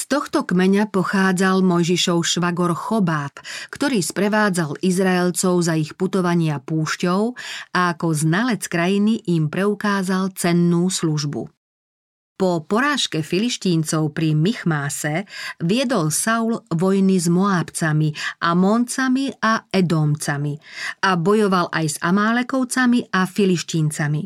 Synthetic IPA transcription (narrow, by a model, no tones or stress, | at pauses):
st̪ɔxt̪ɔkmɛɲapɔxaːd͡zalmɔjʒiʃɔʊʃʋaɡɔɾxɔbaːpkt̪ɔɾiːspɾɛʋaːd͡zalizɾaɛlt͡sɔʊzaixput̪ɔʋaɲɪapuːʃcɔʊʔaːkɔznalɛt͡skɾajiniʔimpɾɛukaːzalt͡sɛnːuːsluʒbṵ | pɔpɔɾaːʃkɛfiliʃc̪iːnt͡sɔʊpɾimixmaːsɛʋɪɛd̪ɔlsawlʋɔjnizmɔaːpt͡samiʔamɔnt͡samiʔaɛd̪ɔmt͡samiabɔjɔʋalʔajza̰maːlɛkɔʊt͡samiʔafiliʃt̪iːnt͡sami